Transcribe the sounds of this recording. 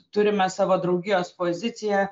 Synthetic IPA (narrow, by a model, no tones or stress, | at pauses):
t̪ʊɾʲɪmʲɛsɑːʋoːd̪ɾɐʊɡʲɪjoːspoːzʲɪt̪sʲɪjɛ